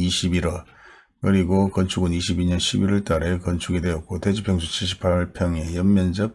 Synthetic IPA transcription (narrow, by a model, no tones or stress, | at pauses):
iɕʰibiɾʌ | kɯɾiɡokʌnt͡ɕʰuɡɯniɕʰibiɲʌnɕʰibiɾʌɭt͈aɾe̞kʌnt͡ɕʰuɡedwe̞ʌt̚k͈ote̞d͡ʑipʰjʌŋsʰut͡ɕʰiɭɕ̬ʰi̥pʰaɭpʰjʌŋe̞jʌmmːjʌnd͡ʑʌk̚